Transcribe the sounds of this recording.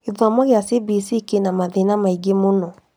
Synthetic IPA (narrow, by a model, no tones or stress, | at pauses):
eðamɔɣeasibisikenamaðenamaiɡemonɔ